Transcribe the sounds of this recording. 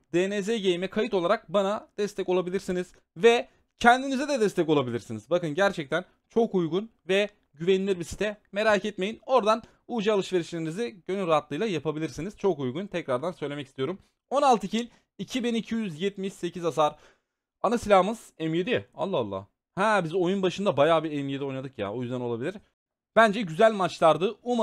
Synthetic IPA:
d̪̥eːnɛzeɟejimɛkʰajɯt̪o̞lˠaɾak̚banad̪̥ɛst̪ʰɛcolˠabilʲiɾsiniz̥ | vɛ | cʰɛnd̪inizɛd̪ɛd̪ɛst̪ɛcolˠabilʲiɾsinizbakɯnɟæɾt͡ʃʰɛc̚t̪ʰæn | t͡ʃʰo̞kujɡunvɛ | ɟyvɛnlʲiɾbisi̥t̪ʰɛme̞ɾaːcʰɛt̪me̞jino̞ɾd̪an | uːd͡ʒaalˠɯʃve̞ɾiʃlʲeɾiniziɟø̞nyɾaɦat̪lˠɯjlˠajapʰabilʲiɾsiniz̥t͡ʃʰo̞kujɡunt̪ʰɛcɾaɾd̪ansøjlʲemɛcist̪ʰijo̞ɾum | o̞nalˠt̪ʰɯcʰilʲ | icʰibinicʰijyzjɛt̪miʃse̞cʰizas̬aɾ | anasilʲahɯmɯz̥ɛmjed̪ia̰lˠːahalˠːa̰ː | hɛːbizo̞junbaʃɯnd̪abajaːbiɛmjed̪io̞jnad̪ɯkja̰o̞jyzd̪æno̞lˠabilʲiɾ̥ | b̥ænd͡ʒɛɟyzælʲmat͡ʃlˠaɾd̪ɯuma

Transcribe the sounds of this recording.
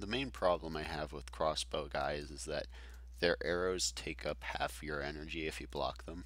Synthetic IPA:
ðəmẽɪ̃npʰɹ̥ɑblə̃maɪɨvwəð̥kʰɹ̥ɔsb̥oʊka̰ɪzɨzðɨ̰t̪̚ | ðə˞ʔɛɹoʊz̥tʰeɪkʰʌphæ̰fjə˞ɛnə˞d͡ʒiɨfjɨblɑ̰kðə̃m

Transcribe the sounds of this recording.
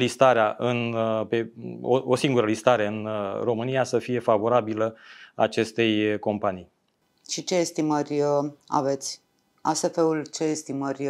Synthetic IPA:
list̪aɾeaʔɨnpe̞o̰osiŋɡuɾəlist̪aɾe̞ɨnro̞mɨnijasəfije̞favo̞ɾabiləat͡ʃe̞st̪e̞jko̞mpanij | ʃit͡ʃeːst̪imərʲa̰ve̞t̪sʲ | asefeult͡ʃeːst̪imərʲ

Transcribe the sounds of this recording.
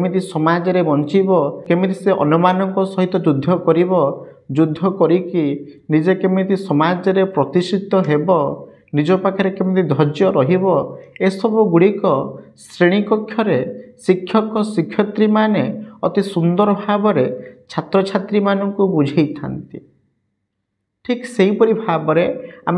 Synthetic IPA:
mit̪isɔmad͡ʒɔɾebɔnt͡ʃibɔkemit̪iseʔɔ̰numanɔŋkɔsɔɦit̪ɔd͡ʒud̪ʱːɔkɔɾibɔ | d͡ʒud̪ʱːɔkɔɾiki | nid͡ʒekemit̪isɔmad͡ʒɔɾepɾɔt̪isit̪ɔɦebɔ | nid͡ʒɔpakʰaɾekemit̪id̪ʱɔd͡ʒjɔɾɔɦibɔesɔbuɡuɽikɔsɾeɽ̃ikɔkʰːjɔɾesikʰjɔkɔsikʰjɔt̪ɾimaneɔt̪isund̪ɔɾɔbʱabɔɾet͡ʃʰat̪ɾɔt͡ʃʰat̪ɾimanɔŋkubud͡ʒʱejt̪ʰa̰nt̪i | ʈʰikseɦipɔɾibʱabɔɾeam

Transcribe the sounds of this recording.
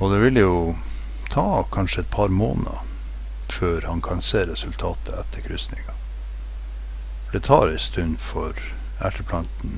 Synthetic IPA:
ɔd̪ɛʋɪljʊ | t̪ʰɑːkʰɑnʂəɛt̪̚pʰɑɾmo̰ːnəɑ̰ | føːɾhɑnkʰɑnseːɾɛsʉlt̪ʰɑːt̪ʰəɛt̪ʰːəɾkʰɾʏsnɪŋɑ | d̪ɛt̪ʰɑːɾɪst̪ʉnfɔɾ | æʈəpʰlɑnt̪n̩

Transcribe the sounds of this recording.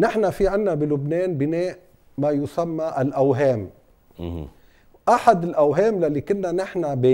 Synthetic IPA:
nɪħnafiʕɪnːabilʊbneːnbɪneːʔ | majʊsamːaʔalʔawɦeːm | ʔaħad̪ɪlʔawɦeːmlalːikʊnːanɪħnabe

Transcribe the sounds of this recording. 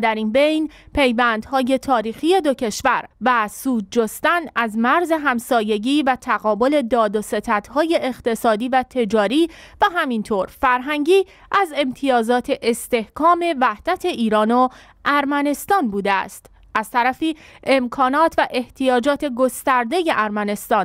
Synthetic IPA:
d̪æɾinbe̞jnpʰe̞jvænd̪̥hɒːje̞t̪ʰɒːɾiːxiːje̞d̪ocʰe̞ʃvæɾvæsuːd̪̚d͡ʒost̪ænæzmæɾze̞ɦæmsɒːje̞ɟiːvæt̪ʰæɣɒːbo̞le̞d̪ɒːd̪ose̞t̪ʰæd̪̥hɒːje̞ʔeːχt̪e̞sɒːd̪iːvæt̪ʰe̞d͡ʒɒːɾiːvæɦæmint̪ʰoːɾfæɾɦæŋɟiː | ʔæze̞mt̪ʰijɒːzɒːt̪ʰe̞ʔest̪e̞hkʰɒːme̞væhd̪̥æt̪ʰe̞ʔiːɾɒːno̞ | ʔæɾmæne̞st̪ɒːnbuːd̪eæ̰st̪ | ʔæz̥t̪ʰæɾæfiːemkʰɒːnɒːt̪ʰvæʔe̞ht̪ʰijɒːd͡ʒɒːt̪ʰe̞ɡo̞st̪æɾd̪e̞je̞ʔæɾmæne̞st̪ɒːn

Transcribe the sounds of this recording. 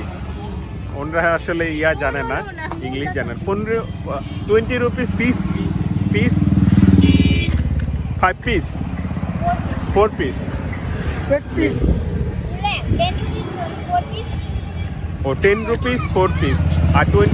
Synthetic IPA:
onɾaaʃoleijad͡ʒanena | iŋɡliʃd͡ʑanaɾponɾʈuwenʈiɾupispispis | pʰajbpis | pʰoɾpis | pis | oʈenɾupisfʰoɾpisaʈwe

